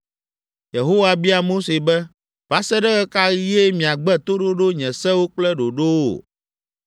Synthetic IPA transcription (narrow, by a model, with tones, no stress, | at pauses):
je˨ɦo˦wa˨bi˦a˨mo˦se˨bɛ˦ | va˦sɛ˦ɖɛ˦ɣɛ˦ka˦ɣje˦mĩ˨a˨ɡ͡bɛ˦t̪o˦ɖo˦ɖo˦ɲɛ̃˨sɛ˦wo˦k͡plɛ˦ɖo˨ɖo˦wo̰˨